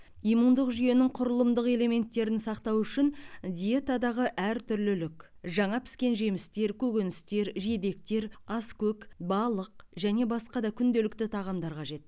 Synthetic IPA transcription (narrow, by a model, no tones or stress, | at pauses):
ijmund̪əqʒyje̞nɪŋqʰʊɾəlˠəmd̪əqe̞le̞me̞nt̪ːe̞ɾɪnsɑqt̪ɑwʏʃɪnd̪ʲije̞t̪ad̪ɑʁəʔæɾt̪ʰʏɾlɪlɪk | ʒɑɴɑpʰɪ̥skʲe̞nʒe̞mɪst̪e̞ɾkʲʰɵɡʲenɪst̪e̞ɾʒied̪e̞k̚t̪e̞ɾɑskʲɵkbɑlˠəq̚ʒæne̞bɑsqɑd̪ɑkʲʰʏnd̪e̞lɪkt̪ɪt̪ʰɑʁɑmd̪ɑɾqʰɑʒe̞t̪̚